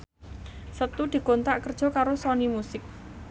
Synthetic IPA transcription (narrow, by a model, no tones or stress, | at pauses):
sət̪ud̪̥i̤kont̪aʔkərd̥ʒ̥ɔ̤kaɾosɔnimusɪk̚